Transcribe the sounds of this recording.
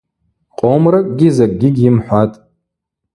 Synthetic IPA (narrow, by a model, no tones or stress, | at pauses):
qʼomrakʼɡʲɪzakʼɡʲɪɡʲɪmħʷatʼ